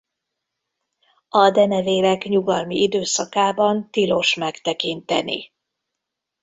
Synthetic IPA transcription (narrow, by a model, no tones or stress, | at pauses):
ɒd̪ɛnɛveːlɛkɲuɡɒlmiid̪øːsɒkaːbɒnt̪ilo̞ʃmɛkt̪ɛkint̪ɛnḭ